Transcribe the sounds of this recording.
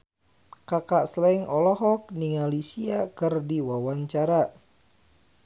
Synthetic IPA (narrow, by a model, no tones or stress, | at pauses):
kakaʔslaiŋʔɔlɔɦɔk̚niŋalisiakɨrdiwawaɲt͡ʃaɾa